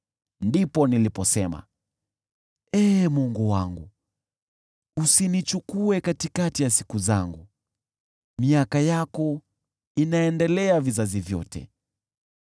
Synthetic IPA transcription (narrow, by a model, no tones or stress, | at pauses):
ndipɔnilipɔsɛma̰ | ɛmɔŋɡuwaŋɡu | usinit͡ʃukuɛkatikatijasi̥kuza̰ŋɡu | miakajakɔ | inaɛndɛlɛavizazivjɔ̰tʰɛ̰